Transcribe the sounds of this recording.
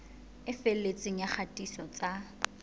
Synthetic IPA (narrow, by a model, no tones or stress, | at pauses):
ɪfelet͡sʼɪŋ̩jaχʰatʼisɔt͡sʼa